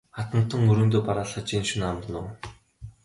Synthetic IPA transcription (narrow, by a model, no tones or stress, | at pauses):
χat̪ə̆nt̪ə̆ŋɵɾɵ̆ːnt̪oːpaɾaːɮăt͡ɕiːnʃunamrənoː